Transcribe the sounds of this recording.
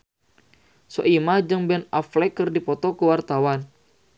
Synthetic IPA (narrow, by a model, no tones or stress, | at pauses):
sɔ̰ʔimad͡ʒɨŋbɛnaflɛkɨrdipɔt̪ɔkəwart̪awan